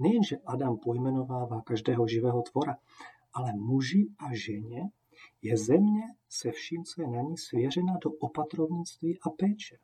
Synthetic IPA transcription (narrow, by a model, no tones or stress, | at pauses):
nɛjɛnʒɛʔadampojmɛno̞vaːvaːkaʒdɛːɦoʒɪvɛːɦot̪vo̞ɾa | ʔalɛmuʒiʔaʒɛɲɛ | jɛzɛmɲɛsɛfʃiːmt͡sojɛnaɲisvjɛr̝ɛnadoʔopat̪ɾovɲit͡st̪viːʔapɛːt͡ʃɛ